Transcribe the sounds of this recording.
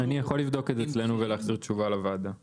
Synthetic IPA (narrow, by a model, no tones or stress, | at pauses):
anijaχo̞livd̪o̞ketet͡sle̞nuveleːχziʁt̪ʃuvalavad̪a